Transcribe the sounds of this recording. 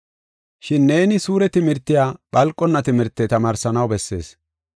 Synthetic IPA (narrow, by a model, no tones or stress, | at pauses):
ʃɪnːe̞ːnɪsuːɾɛt̪ɪmɪɾt̪ːɪjaːɓɐlkʼːɔnːɐt̪ɪmɪɾt̪ːɛt̪ɐmaːɾsɐnɐwbɛsːe̞̰ːs